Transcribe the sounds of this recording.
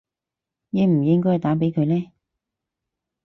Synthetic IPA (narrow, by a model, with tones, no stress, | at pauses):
jɛː˨˧m̩˨˩jɪ˥ŋk̬ɔː˥jhɛ˨˩jt̪aː˨˥p̬e˨˥jkʰɵ˨˧lɛː˥